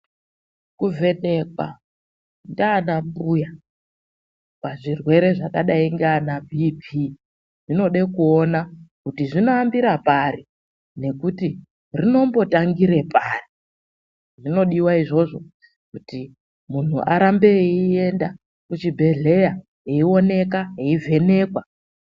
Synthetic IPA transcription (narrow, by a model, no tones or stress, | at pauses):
kuve̞ne̞kwa̰ | ndanambuja | paʐirwe̞ɾe̞ʐakaɗaiŋɡanabʱipʰi | ʐ̥ino̞ɗe̞kuonakutiʐino̞ambiɾapaɾi | ne̞kuti | rino̞mbo̞taŋɡiɾe̞pari | ʐino̞ɗiwaiʐo̞ʐo̞ | kuti | mun̤ṵʔa̰ɾambe̞ie̞nda | kut͡ʃibʱe̞ɮe̞ja | ɦeio̞ne̞kaɦeivʱe̞ne̞kwa